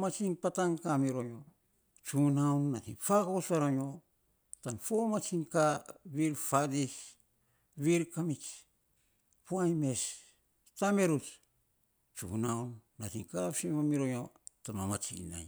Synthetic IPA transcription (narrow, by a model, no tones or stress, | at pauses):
mat͡ʃiŋpataŋkamiɾojo | t͡ʃunawnːatiŋfakosaɾoɲo | tanfomat͡ʃiŋkaβiɾfadis | βiɾkamit͡ʃ | puajme̞s | tame̞ɾut | t͡ʃṵnawnːatiŋkapsimamiɾojotamamat͡ʃḭna̰j